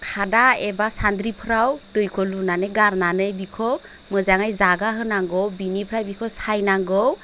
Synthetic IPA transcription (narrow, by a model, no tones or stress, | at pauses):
kʰadaebasand̪ɾipʰɾawdɯjkʰɔlunanɯjɡaɾnanɯjbikʰɔ | mɯzaŋajzaɡaɦɯnaŋɡɔwbinipʰɾajbikʰɔsajnaŋɡɔw